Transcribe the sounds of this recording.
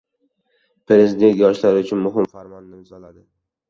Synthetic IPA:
pɾe̞zɪd̪e̞nt̪̚ʲjɒʃlaɾɪʊt͡ʃʰʊnmʊɦɪmfaɾmɒnːɪɪmzɒlad̪ɪ

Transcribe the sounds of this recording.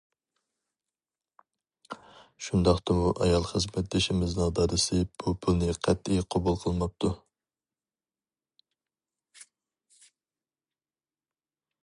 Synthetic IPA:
ʃund̪ɑχt̪ɑmuʔɑjɑlˠχəzmɛt̪̚d̪eʃimɪznɨŋd̪ɑːɾɨsɨb̥upʰulnɪqʰæt̪ːiqʰobulˠqʰəlˠmɑp̚t̪ʰu

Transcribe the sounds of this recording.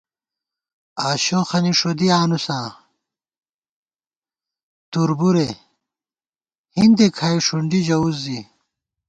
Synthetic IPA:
aːɕoxɐniʂod̪iaːnusãː | t̪uɾbuɾe | hind̪ekʰaːiʂuɳɖid͡ʑɐuzːi

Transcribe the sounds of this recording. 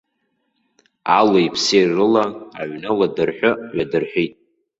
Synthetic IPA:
aloipʰserɨlaa̰ʕnawadɨrħʷᶣʊɥadɨrħʷᶣejtʼ

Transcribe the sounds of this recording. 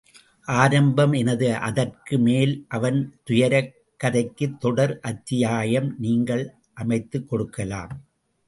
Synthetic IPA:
ʔaːɾɐmbɐmɛnɐðɯʔɐ̰ðɐrkɯmeːlʔɐʋɐnt̪ʊjɐɾɐ | kːɐðɐɪkːɯt̪ːɔɽɐɾʔɐt̪ːɪjaːjɐmniːŋɡɐɭ | ʔɐmɐɪt̪ːɯkːɔɽɯkːɐla̰ːm

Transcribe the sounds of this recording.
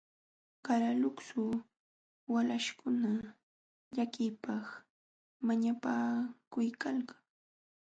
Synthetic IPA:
kaɾalʊksʊ | walaʃkʊna | ʎakɪpaχ | maɲapakʊjkalkḁŋ

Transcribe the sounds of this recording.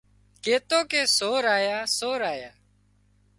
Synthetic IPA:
keːt̪oːkeːsoːɾaːjaːsoːɾaːjaː

